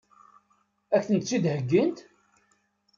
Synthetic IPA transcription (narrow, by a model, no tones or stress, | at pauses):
æçθənt̪t͡sːid̪həɡːənt̪